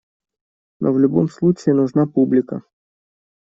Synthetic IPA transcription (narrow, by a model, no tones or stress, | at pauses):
nʔovlʲʊbomslˠut͡ɕɪːnʊʐnapublʲɪkə̰